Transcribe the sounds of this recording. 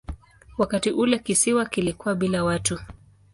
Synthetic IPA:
wakatiʔulɛkisiwakilikuwaɓilawatu

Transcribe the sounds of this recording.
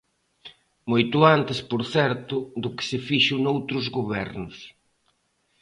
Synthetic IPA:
mojt̪ʊant̪ɪspoɾθɛɾt̪ʊðʊkɪ̥sɪfiʃʊnowt̪ɾʊzɣoβɛ̰ɾnʊs

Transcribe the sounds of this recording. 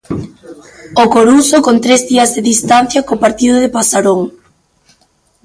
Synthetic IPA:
okoɾusokont̪ɾezðiɐzðeðist̪anθjɐkopaɾt̪iðoðepasaɾoŋ

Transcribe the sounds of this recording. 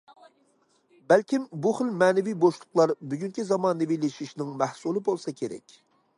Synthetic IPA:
bælkʲimbuχəlmɛːnɪvijboʃlˠʊqlˠɑɾbyɡʲyŋkʲizɑmɑːnɨvileʃiʃnɪŋmæhsulˠɨbolˠsɑkʲʰeɾɛ̰kʲ

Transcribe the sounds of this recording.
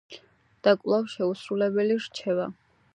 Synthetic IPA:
d̪̥akʼlˠafʃɛusɾulɛbɛliɾt͡ʃʰɛva̰

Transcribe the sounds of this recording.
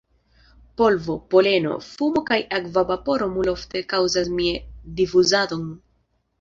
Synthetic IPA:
po̞lvo̞po̞le̞no̞̰fumo̞kajakvavapo̞ɾo̞mulo̞fte̞kawzasmiedifuzado̞n

